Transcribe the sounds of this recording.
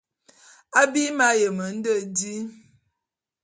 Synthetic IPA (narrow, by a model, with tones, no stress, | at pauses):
a˦bi˦ma˨˦jə˨mə˨n̩˦də˦˨di˦